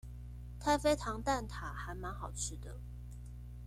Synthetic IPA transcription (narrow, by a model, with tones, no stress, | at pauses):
t̪ʰa˥˧ɪfe˥ɪt̪ʰɑ˧˥ŋt̪a˥˩nt̪ʰa˨˩xa˧˥ɪma˧˥nxɑ˨˩ʊʈ͡ʂʰɻ̩˥˩d̪ə˩